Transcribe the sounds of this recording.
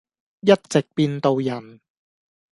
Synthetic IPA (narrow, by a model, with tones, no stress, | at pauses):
jɐ˥t̚t͡sɪ˨k̚piː˧nt̪o˧wjɐ˨˩n